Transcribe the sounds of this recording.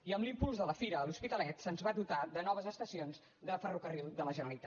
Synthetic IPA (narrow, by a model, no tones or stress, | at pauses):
iəmlimpulˠzðələfiɾəːluspit̪əlɛt̪sənzβad̪ut̪aðənɔβ̞əzəst̪əsionz | ðəfərukərilˠd̪ələʒənəlit̪a